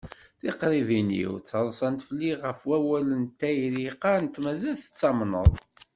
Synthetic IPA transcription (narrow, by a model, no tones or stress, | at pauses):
θiqɾˤivinḭwt͡sːəɾˤsˤɑnt̪fəlːiʁəfwæwælənt̪ːæjɾiqɑɾnt̪ːmæzælθə̥t͡sːɑmnə̰ðˤ